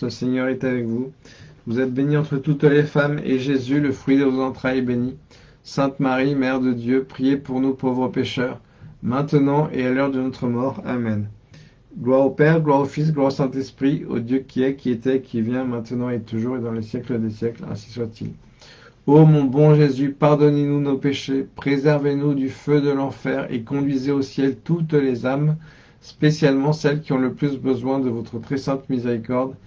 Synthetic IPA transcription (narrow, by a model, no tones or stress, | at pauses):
səseɲœʁɛt̪avɛkvuvuzɛt̪̚beniɑ̃t̪χət̪ut̪lefamḛʒezyləfχɥid̪əvozɑ̃t̪χajɛbeni | sɛ̃t̪maʁimɛʁd̪əd̪jøpχijepuʁnupovʁəpeʃœʁ | mɛ̃t̪ənɑ̃ʔealœʁd̪ənɔt̪χəmɔʁa̰mɛn | ɡlwaʁopɛʁɡlwaʁofis̬ɡlwaʁosɛ̃t̪ɛspχio̰d̪jøkʲiɛkʲiet̪ɛkʲʰivjɛ̃mɛ̃t̪ənɑ̃et̪uʒuʁed̪ɑ̃lesjɛkləd̪esjɛklɛ̰̃si̥swat̪ḭl | omɔ̃bɔ̃ʒezypaʁd̪ɔnenunopeʃepχezɛʁvenud̪yfød̪əlɑ̃fɛʁḛkɔ̃d̪ɥizeosjɛlt̪ut̪lezam | spesjalmɑ̃sɛlkʲiɔ̃ləplysbəzwɛ̃d̪əvɔt̪χət̪χɛsɛ̃t̪mizeʁikɔʁd̪